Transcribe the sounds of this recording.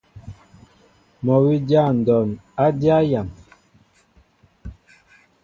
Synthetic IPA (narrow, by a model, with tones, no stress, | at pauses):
mɔ˨wi˦dja˦˨n̩˨dɔ˨na˦dja˦ja˨m